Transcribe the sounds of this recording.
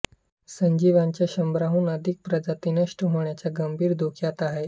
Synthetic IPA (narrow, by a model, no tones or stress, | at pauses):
səɲd͡ʑiʋaɲt͡ɕjaɕəmbɾaɦuːnəd̪ʱik̚pɾəd͡zat̪inəʂʈəɦoɳjat͡ɕjaɡəmbʱiːɾd̪ʱokʰjat̪aɦe